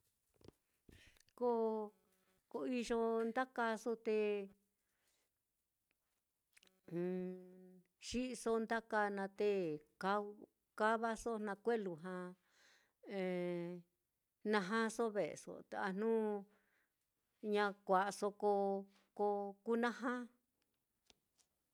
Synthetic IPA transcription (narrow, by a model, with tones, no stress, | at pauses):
ko˦ | ko˧i˧ʒo˧nd̪a˦ka˧so˦t̪e˧ | ʃi˦ʔso˧nd̪a˦ka˧nã˧t̪e˦ka˧˦ | ka˦βa˦so˦nã˧kʷe˦lu˧ɦã˧ | e˧ | nã˧ɦã˦so˦βḛ˨so̰˧t̪e˧a˧n̥nũ˦ | ɲã˧kʷa˨ʔso˧ko˧ | ko˧ku˦nã˦ɦã˦